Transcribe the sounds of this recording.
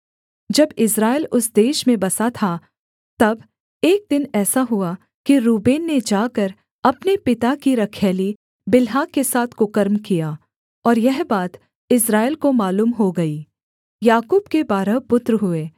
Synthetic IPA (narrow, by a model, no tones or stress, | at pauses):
d͡ʒɐbɪsɾaːɪlʊsd̪eːʃmẽbɐsat̪ʰa | t̪ɐb | eːk̚d̪ɪnɛːsaɦʊa | kiɾuːbeːnːed͡ʒaːkɐɾ | ɐpnepɪt̪akiɾɐkʰɛːli | bɪlɦaːkːesaːt̪ʰkʊkəɾmkijaː | ɔːɾjɛɦbaːt̪ | ɪsɾaːɪlkomaːluːmɦoɡɐiː | jaːkuːbkebaːɾəpʊt̪ɾɦʊeː